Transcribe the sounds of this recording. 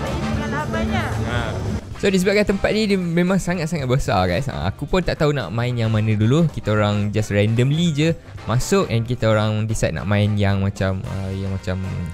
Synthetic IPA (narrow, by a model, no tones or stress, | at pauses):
aabaɲaʔa | sodis̬əbakant̪əmpat̪̚didimẽmãŋsaŋat̪̚saŋat̪̚bəsa̰ɡa̰jsa̰a̰kupʊnt̪aʔt̪auna̰ʔmãɪnjaŋmãnə̃dulukit̪aoɾaŋd͡ʒasɹɛndəmlid͡ʒə | masʊk̚ɛ̃nkit̪aoɾaŋdisa̰t̪̚na̰ʔmãɪnjaŋmat͡ʃamə̰jaŋmat͡ʃam